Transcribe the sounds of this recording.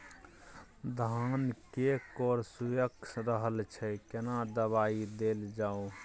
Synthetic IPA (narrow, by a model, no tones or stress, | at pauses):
d̪ʱankekɔɾsujəksɾəɦəlt͡ʃʰɛkenad̪əβaid̪eld͡ʒao